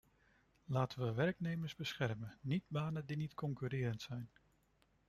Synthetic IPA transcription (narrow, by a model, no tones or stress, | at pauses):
laːtənʋəʋɛrknejməɹzbəsχɛrməːidbaːnəndinitkɔŋkyɾɪːɾəntsɛjn